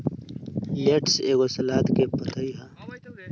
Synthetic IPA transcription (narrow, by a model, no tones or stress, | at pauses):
jeʈseːɡosɐlaːt̪kepɐt̪ʰaiɦa